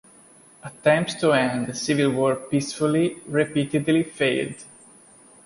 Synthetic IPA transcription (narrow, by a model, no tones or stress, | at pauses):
ət̪ːɛ̃mpst̪uɛ̃nd̪sivilwɔɹpisfuliɹipit̪ɪd̪lifeɪld̪